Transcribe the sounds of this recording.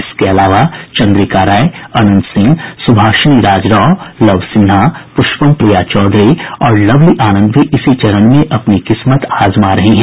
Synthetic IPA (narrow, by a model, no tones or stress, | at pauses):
ɪskeɐlaːʋat͡ʃɐ̃nd̪ɾikaːɾaːjeɐnə̃nt̪sɪ̃ŋɡsʊbʱaːʃniɾaːd͡ʒɾɔːlɐʋsɪ̃napʊʃpəmpɾijat͡ʃɔːd̪ɾiɔːɾlɐʋliʔaːnə̃nd̪bʱiʔɪsit͡ʃɐɾənmẽʔɐpnikɪsmət̪aːzmaːɾɐɦeɦɛ̃ː